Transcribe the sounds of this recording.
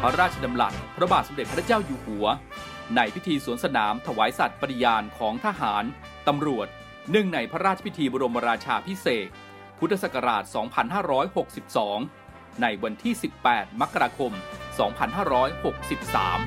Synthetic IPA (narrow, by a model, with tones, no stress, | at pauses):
pʰɾa˦˥ɾaː˥˩t̪̚t͡ɕʰa˧da˧mla̰˨˩t̪̚pʰɾa˦˥baː˨˩t̪̚so˩˦de˨˩t̪̚pʰɾʰt͡ɕaː˥˩wjuː˨˩hu˩˦ɐ | na˧jpʰi˦˥t̪ʰiː˧suː˨˩˦ənsa˧naː˩˦mt̪ʰa˧waː˩˦jsa˨˩t̪̚pa˧i˨˧˩jaː˧nkʰɔː˩˦ŋt̪ʰa˧ɦaː˩˦n | t̪a˧mɾu˨˩ət̪̚ | nɯ˥˩ŋna˧jpʰɾa˦˥ɾaː˥˩a˧pi˦˥t̪ʰiː˧bɔː˧ɾo˧mːa˧ɾaː˧t͡ɕʰaː˧pʰi˦˥seː˨˩t̪̚ | pʰu˦˥t̪ʰːa˧sa˨˩kːa˧ɾaː˨˩t̪̚sɔː˩˦ŋpʰa˧nɦaː˥˩ɾɔː˦˥jho˨˩k̚si˨˩p̚sɔː˩˦ŋ | na˧jwa˧nt̪ʰiː˥˩si˨˩pːɛː˨˩t̪̚ma˦˥kːa˧ɾaː˧kʰo˧msɔː˩˦ŋpʰa˧nɦaː˥˩ɾɔː˦˥jho˨˩k̚si˨˩p̚sa̰ː˩˦m